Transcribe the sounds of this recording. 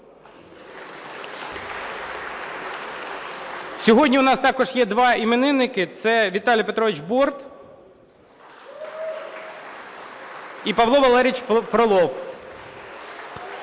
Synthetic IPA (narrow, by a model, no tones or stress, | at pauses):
sʲɔɦɔdʲnʲiʊnɑst̪ɑkɔʒjɛd̪ʋɑimenɪnɪkɪt̪sɛʋʲit̪ɑlʲijɐpet̪ɾɔʋɪt͡ʃbɔrt̪ | ipɐʋlˠɔʋɐlˠɛɾʲiit͡ʃpɾɔlˠɔw